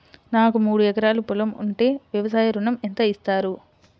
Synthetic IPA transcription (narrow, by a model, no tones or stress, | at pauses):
naːkumuːɽuɛkɐɾaːlupulɐmṵɳʈeːʋjɐʋɐsaːjɐɾuɳɐment̪ɐist̪aːɾu